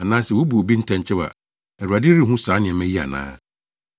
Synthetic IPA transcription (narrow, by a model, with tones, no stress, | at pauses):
a˨nãː˦sɛ˨wo˦bu˨o˨bi˦n̩˦tʰɛ̃˨ɲ˨t͡ɕʰɪ˦wa̰˨ | ɛ˨ɾu˨a˨dɪ˦ɾi˦˨ɦʊ̃˦saː˨˦nɪ̃˨ɛ˨mɛ̃˦ji˦a̰˨nã̰ː˦